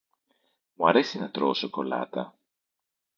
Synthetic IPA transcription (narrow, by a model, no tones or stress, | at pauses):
muɐɾe̞sinɐt̪ɾo̰soko̞lɐ̰t̪ɐ